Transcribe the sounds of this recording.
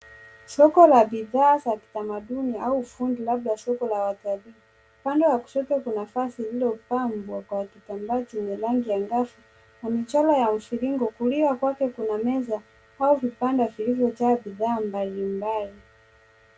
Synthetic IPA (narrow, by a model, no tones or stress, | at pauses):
sɔkɔlabiðaːsaki̥tamaɗuniaufundilab̚ɗasɔkɔlawatali | upandɛwaku̥sɛkɛkunafasililɔpambwakwakitambat͡ʃumilaŋɡijaŋɡafu | namit͡ʃalajam̩fiɾiŋɡɔkuliwakwakɛkunamɛza | auvipandavilivjɔt͡ʃabiðaːmbalimbali